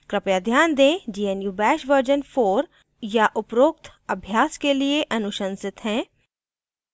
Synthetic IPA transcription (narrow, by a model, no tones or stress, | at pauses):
kɾɪpjad̪ʱjaːnd̪ẽːd͡ʒiːenjuːbɛːʃʋəɾd͡ʒənfoːɾ | jaʔʊpɾoːk̚t̪ʰɐbʱjaːskelieʔɐnʊʃə̃nsɪt̪ɦɛ̃ː